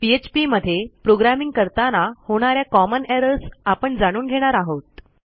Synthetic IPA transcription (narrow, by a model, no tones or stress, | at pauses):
piet͡ɕpiməd̪ʱːepɾoɡɾamiŋɡ̚kəɾt̪anahoɽ̃aɾjakɔməneɾəsapəɳd͡zaɽ̃uːnɡʱeɽ̃aɾaɦot̪̚